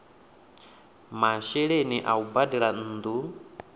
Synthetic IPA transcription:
maʃɛɺeniʔaubadiɺan̩ːd̪u

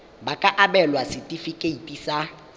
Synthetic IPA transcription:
bakʼaʔaɓɛlwasitʼifikʼeitʼisa

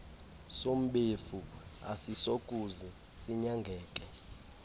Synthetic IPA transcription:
som̩ɓefua̰sisokʼuzɛ | siɲaŋɡʱɛːkʼɛ

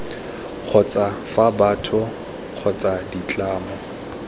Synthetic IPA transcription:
q͡χʰɔt͡sʼafabaːtʰʊ | k͡xʰɔt͡sʼadit͡ɬʼaːmɔ

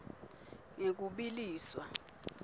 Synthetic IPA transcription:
ŋek̬uɓiliːswa

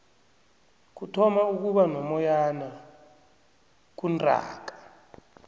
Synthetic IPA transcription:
k̬utʰɔmauk̬uɓanɔmɔjana | k̬undʱa̰ːk̬ḁ

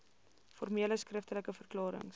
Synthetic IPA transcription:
fɔrmiələskrəftələkəfərklɑːɾə̰ŋ

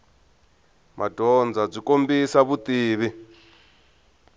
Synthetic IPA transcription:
mʔadʱɔnd͡zab͡ʐikombisaβut̪iːβi

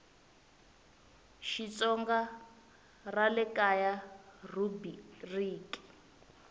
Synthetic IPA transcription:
ʃit͡sɔŋɡa | ralɛkajarubiriːki̥

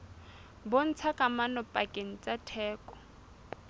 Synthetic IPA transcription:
bon̩t͡sʰakʼamanɔpʼakʼeŋ̩t͡sʼatʰɛːkʼɔ̥

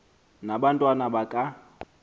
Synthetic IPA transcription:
nabantʼwanabakʼa

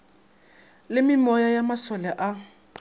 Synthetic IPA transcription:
lɪmɪmɔjajamasɔlɛʔa

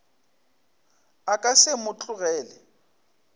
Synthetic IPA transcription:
akʼasɪmʊt͡ɬʼʊɣɛːlɛ

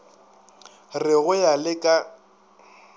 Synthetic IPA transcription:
rɪɣʊjalɪkʼa

